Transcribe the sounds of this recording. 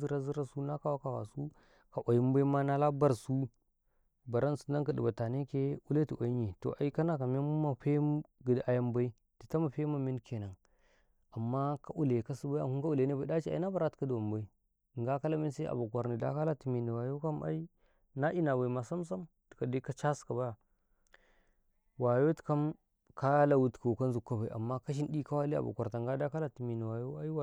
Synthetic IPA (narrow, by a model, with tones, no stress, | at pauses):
i˦ɾa˦zi˦ɾa˦su˦na˦ka˦wa˦ka˨wa̰˨su˦ | ka˨ʔa˨ji˦m˦ba˦i˦ma˦na˦la˦ba˦ɾsu˦ | ba˨ɾa˦nsu̥˨na˦ka˨di˨ba˨ta˨ne˦ke˦u˦le˦ti˨ʔa˨i˦ɲi˨to̰˨ʔa̰˨i˦ka˦na˨ka˨m˦e˦mu˦ma˨ɸe˦ɡi˨da˨ja˦mba˦i˦ | ti˨ta˦ma˨ɸe˦ma˨mi˦nkʰe˨na˨ | a˨mːa˦ka˦˨ʔu˦le˨ka˦si˦ba˦a̰˨hu˦ŋka˦u˦le˨˦ne˦ba˨˦da˦t͡ʃi˦a̰˨i˦na˦ba˨ɾa˦tka˦du˨wa˨m˨ba˨i˦˨ | ŋɡa˦ka˦la˦mi˦n˦sa˦a̰˨ba˨kʷa˨ɾni˨da̰˦ka˦la˦ti˨mi˨ni˨wa˨jo˦ka˦ma̰˦i˦ | na˦ʔi˦na˨ba˨i˨ma˨sa˦ms̬a˦m | ti̥˨ka˨di˦ka˦t͡ʃa˦ska˨ba˦ja˨ | wa˨jo˦ti̥˨ka˦m | ka˦la˨wu˨tka˨ka˦nzu˨kːa˦ba˨i˨a̰˨mːa˦ka˦ʃ̬i˦ndi˦ka˦wa˦li˦a̰˨ba̰˨kʷa˨ɾta˨ŋɡa˦da˦ka˦la˦˨ti˨mi˨ni˨wa˨jo˦a˦i˦wa˨